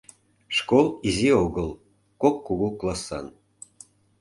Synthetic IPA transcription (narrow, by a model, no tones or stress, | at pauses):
ʃkolˠizioɣəlˠ | kokːuɣuklˠɑsɑ̰n